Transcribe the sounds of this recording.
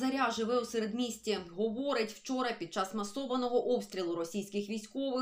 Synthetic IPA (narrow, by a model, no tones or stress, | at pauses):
zɐɾʲaʒɪʋɛwseɾed̪mʲisʲtʲiɦɔʋɔɾɪtʲw̥t͡ʃɔɾɐpʲid̪̚t͡ʃɑsmɐsɔʋɐnɔɦɔʔɔpst̪ʲɾʲilˠʊɾɔsʲijsʲkɪxʋʲijsʲkɔʋɪ